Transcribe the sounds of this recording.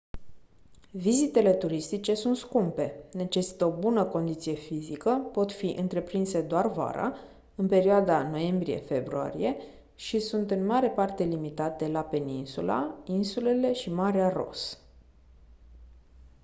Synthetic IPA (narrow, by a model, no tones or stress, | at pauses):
vizit̪e̞le̞t̪uɾist̪it͡ʃe̞sunt̪skumpe̞ne̞t͡ʃe̞si̥t̪əobunəko̞nd̪it̪sije̞fizikəpo̞t̪fiʔɨnt̪ɾe̞pɾinse̞d̪oarva̰ɾa̰ | ɨnpe̞ɾioad̪ano̞je̞mbɾije̞̰fe̞bɾua̰ɾḭje̞ | ʃisunt̪ɨnmaɾe̞part̪e̞limit̪at̪e̞lape̞ninsula̰insule̞le̞ʃimaɾearo̞̰s